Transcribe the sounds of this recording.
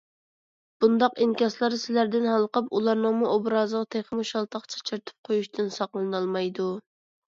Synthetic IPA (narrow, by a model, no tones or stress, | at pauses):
b̥und̪ɑqinkʲɑslˠɑɾsɪlæɾd̪ɪnhɑlˠqɑpulˠɑɾnɨŋmuʔobɾɑːzəʁɑt̪ʰeχəmuʃɑlˠt̪ʰɑqt͡ʃʰɑ̥t͡ʃʰiɾt̪ʰɨ̥p̚qʰojuʃt̪ʰɨnsɑqlˠɨnɑlˠmɑjd̪u